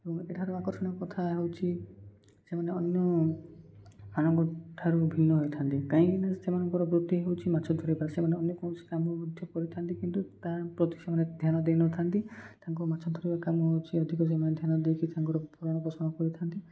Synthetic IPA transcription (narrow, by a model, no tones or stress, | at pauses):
ebɔŋeʈʰaɾuakɔɾsɔɽ̃ɔkɔt̪ʰaɦewt͡ʃʰi | semaneɔnjɔ | maɽ̃ɔŋkɔʈʰaɾubʱinːɔɦojt̪ʰant̪ikãɦĩinasemanɔŋkɔɾɔbɾut̪ːiɦewt͡ʃʰimat͡ʃʰɔd̪ʱɔɾibasemaneɔnjɔkɔ̃si̥kamɔɔd̪ʱjɔkɔɾit̪ʰant̪ikint̪ut̪apɾɔt̪isemaned̪ʱjanɔd̪enɔt̪ʰant̪it̪aŋkumat͡ʃʰɔd̪ʱɔɾibakamɔɦewt͡ʃʰiɔd̪ʱikɔs̬emaned̪ʱjanɔd̪ekʰit̪aŋkɔɾɔpuɾaɽ̃ɔpɔsɔnɔkɔɾit̪ʰant̪i